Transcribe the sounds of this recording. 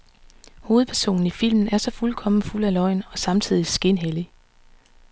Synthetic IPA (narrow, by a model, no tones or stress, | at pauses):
ho̝ːð̞̩ˠpʰæɐso̝̰ːn̩ifil̰mn̩æɐsɒ̽fulkʰɒ̽m̰n̩ful̰ælɒ̽ɪ̰nɒ̽sɑ̈mt͡sʰið̞̰ˠisɡ̥e̝nɦeli